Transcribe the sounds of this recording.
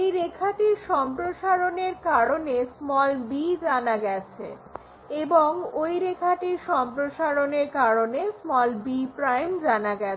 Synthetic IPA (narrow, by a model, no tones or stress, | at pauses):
ejɾekʰaʈiɾʃɔmpɾoʃaɾoneɾkaɾonesmɔlbid͡ʑanaɡɛt͡ɕʰḛ | eboŋojɾekʰaʈiɾʃɔmpɾoʃaɾoneɾkaɾonesmɔlbipɾajmd͡ʑanaɡɛt͡ɕ